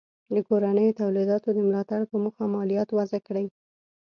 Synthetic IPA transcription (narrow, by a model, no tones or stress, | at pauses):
d̪əkoɾanəjot̪awlid̪ɑt̪od̪əmlɑt̪aɽpəmuxamɑlijɑt̪wazakɽəj